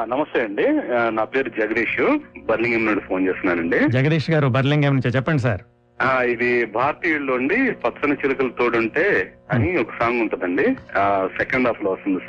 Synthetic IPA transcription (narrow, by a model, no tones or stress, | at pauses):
nɐmɐst̪eːɐɳɖinaːpe̞ːɾud͡ʒɐɡɐd̪iːʂubɐɾliŋɡemnuɳɖipʰoːnt͡ʃeːst̪unːaːɾɐɳɖid͡ʒɐɡɐd̪iːʂɐɡaːɾubɐɾliŋɡeːmnuɲt͡ʃeːt͡ʃɛpːɐɳɖis̬aːɾ | aːid̪ibʱaːɾt̪iːjuɭːoːɳɖipɐt̪ːsɐnɐt͡ʃilɐkɐlɐt̪oːɽuɳʈe̞ːɐniɔkɐ̥saːŋɡuɳʈ̪ud̪ɐɳɖisɛkɐɳɖaːpɐloʋɐst̪und̪i